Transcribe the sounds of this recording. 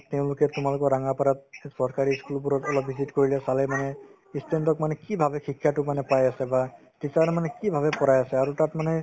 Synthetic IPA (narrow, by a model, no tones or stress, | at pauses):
teʊ̃lʊkɛtʊmalʊkɔɹaŋapaɾat̚sɔɹkaɹiskulbuɾɔtɔlɔpːizitkoɹilɛsalɛmanɛ | istʰendɔkmanɛkibʱabɛxikʰːjatʊmanɛpajasɛba | tisaɾmanɛkibʱabɛpɔɹajasɛaɹutatmanɛ